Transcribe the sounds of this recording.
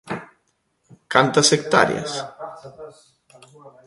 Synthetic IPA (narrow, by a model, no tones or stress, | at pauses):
kant̪asek̚t̪a̰ɾja̰s